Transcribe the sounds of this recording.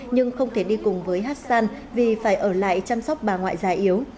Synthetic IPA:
ɲɨ˧ŋxə˧wŋ͡mt̪ʰe˧˩ɗi˧kʊ˨˩ŋ͡mvəː˨˦jɦaː˦˥t̚saː˧n | vi˨˩faː˧˩jʔəː˧˩la̰ː˧˨jt͡ɕa˧msɔ˦˥wk͡p̚ɓaː˨˩ŋwa̰ː˧˨jzaː˨˩ʔi˨˦əw

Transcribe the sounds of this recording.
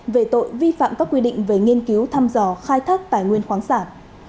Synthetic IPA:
ve˨˩t̪o̰˧˨jvi˧fa̰ː˧˨mkaː˦˥kːwi˧ɗḭ̈˧˨ŋ̟ve˨˩ŋi˧ənki˨˦wt̪ʰaː˧mzɔ˧˩xaː˧jt̪ʰaː˦˥k̚t̪aː˧˩jŋwi˧ənxwaː˨˦ŋsaː˧˩n

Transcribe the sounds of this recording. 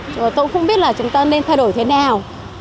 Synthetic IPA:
t̪o˧jxə˧˥ŋ͡mɓi˦˥ət̚laː˨˩t͡ɕʊ˨˦ŋ͡mt̪aː˧ne˧nt̪ʰa˧jɗo˧˩˨jt̪ʰe˨˦naː˨˩w

